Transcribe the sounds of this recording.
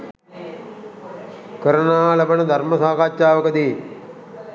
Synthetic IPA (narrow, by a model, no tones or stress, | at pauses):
kəɾənaːlɐbənəd̪ʱɐɾməsaːkaːt͡ʃːaːʋəkəd̪eː